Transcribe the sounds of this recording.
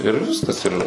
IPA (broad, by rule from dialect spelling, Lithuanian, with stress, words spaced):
ɪr ˈʋʲɪskɐs ɪr